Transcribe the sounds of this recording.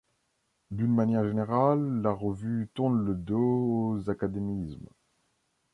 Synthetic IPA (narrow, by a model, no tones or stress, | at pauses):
d̪ynmanjɛʁʒeneʁalːaʁəvyt̪uʁnləd̪oozakad̪emism